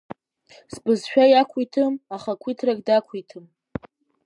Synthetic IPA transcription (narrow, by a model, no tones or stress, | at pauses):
sbɨzʃᶣajakʷʰitʰɨmaχakʷʰitʰraɡdakʷʰitʰɨm